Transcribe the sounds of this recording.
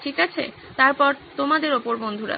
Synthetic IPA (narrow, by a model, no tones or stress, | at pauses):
ʈʰikat͡ɕʰḛ | t̪aɾpɔɾt̪omad̪eɾopoɾbond̪ʱuɾa̰